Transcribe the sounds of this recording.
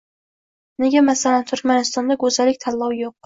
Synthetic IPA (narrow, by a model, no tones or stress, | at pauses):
ne̞ɡʲamasalant̪ʰʊɾkʲmanɪst̪ɒnd̪aɡɵzalɪkʲt̪ʰalːɒwjoq̚